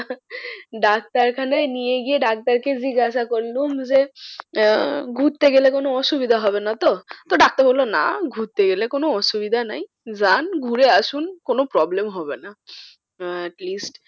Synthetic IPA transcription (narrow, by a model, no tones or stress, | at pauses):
ɖak̚t̪aɾkʰanaenijeɡijeɖak̚t̪aɾked͡ʑiɡaʃakoɾlumd͡ʑe | ɡʱut̪ːeɡelekonoɔʃubid̪ʱaɦɔbenat̪ot̪oɖak̚t̪aɾɦolːona̰ɡʱut̪ːeɡelekonoɔʃubid̪ʱana̰j | d͡ʑanɡʱuɾeaʃunkonopɾɔblemɦɔbena | ɛʈlisʈ